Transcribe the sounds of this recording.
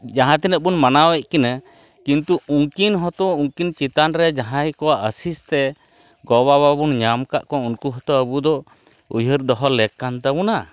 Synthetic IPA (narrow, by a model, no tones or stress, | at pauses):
d͡ʒaɦãt̪ɛnəʔ̚bunmanawɛc̚kina | kint̪uuŋkinɦɔt̪ɔuŋkint͡ʃit̪anɾɛd͡ʒaɦãjkɔwaʔəsist̪ɛ | ɡɔbaβabunɲamkaʔkɔ̃unkuɦɔt̪ɔəbud̪ɔ | ṵjəɾd̪ɔɦɔlɛkːant̪abuna